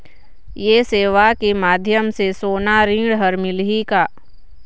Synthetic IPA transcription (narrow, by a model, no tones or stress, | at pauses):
jeːseːʋakimaːd̪ʱjəmsesoːnaɾĩːɽɦəɾmɪlɦikaː